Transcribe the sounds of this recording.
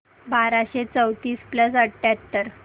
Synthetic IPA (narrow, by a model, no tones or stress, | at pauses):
baɾaɕet͡səwt̪iːspləsəɽʈːat̪ːəɾ